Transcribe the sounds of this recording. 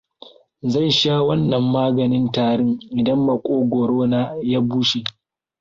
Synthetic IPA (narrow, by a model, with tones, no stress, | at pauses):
zɐ˦˨nʃaː˦wɐ˦nːɐ˨mːaː˦ɡɐ˨nɪ˦ntaː˨ɽɪ˦ŋʔɪ˨dɐ˦mːɐ˨kʷʼoː˦ɡʷoː˨ɽoː˦naː˦jaː˦buː˦ʃi˨